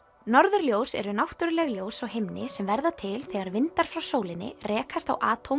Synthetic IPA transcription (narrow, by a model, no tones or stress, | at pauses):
nɔɾðʏɾljoːwsɛ̰ɾʏnawht̪ʏɾlɛɣljoːwsawhemnɪsɛmvɛɾðat̪ʰɪlθɛɣaɾvɪnt̪aɾ̥fɾawsoːwlɪnːɪ̰rɛːkʰast̪a̰wʔaːt̪ʰowm